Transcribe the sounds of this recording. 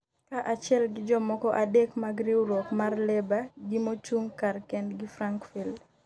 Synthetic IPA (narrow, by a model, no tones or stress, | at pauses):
kaʔat͡ʃɪɛlɡɪd͡ʒɔmɔkɔʔadekmaɡɾiuɾɔkmarlɛbaɡimot͡ʃuŋkarkɛndɡɪfɾaŋkfil